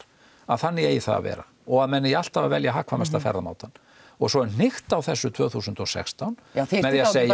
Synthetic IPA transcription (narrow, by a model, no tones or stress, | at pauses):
a̰ðθanːɪejiθa̰a̰vɛ̰ːɾa | ɔɣaðmɛnːɪjal̥t̪havavɛljaɦaːkʰvamɛst̪afɛ̰ɾama̰ːwt̪anː | ɔɣsɔɛɾn̥ɪxt̪awθɛsːʏt̪ʰv̥œːɣθuːsʏnt̪ɔsɛ̰kst̪awnmɛðjɛseːj